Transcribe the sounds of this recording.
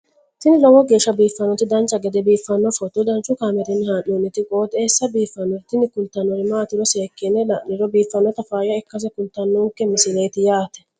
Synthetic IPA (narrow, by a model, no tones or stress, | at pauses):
t̪ɪnɪlɔwɔɡe̞ːʃːɐbiːfːɐnːɔt̪ɪd̪ɐnt͡ʃːɐɡɛd̪ɛbiːfːɐnːɔfɔt̪ːɔd̪ɐnt͡ʃːʊkaːmɛɾɪnːɪhaːnonɪt̪ɪkʼoːt̪eːsːɐbiːfːɐnːɔt̪ɪnɪkʊnt̪ːɐnːɔɾɪmaːt̪ɪɾɔseːkːɛnːɛlɐnɪɾɔbiːfːɐnːɔt̪ɐfaːjɐɛkːɐs̬ɛkʊnt̪ːɐnːuːŋkːɛmɪsɪleːt̪ɪjaːt̪ɛ̥